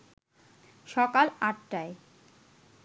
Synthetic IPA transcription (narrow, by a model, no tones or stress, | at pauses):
ʃɔkalaʈʈae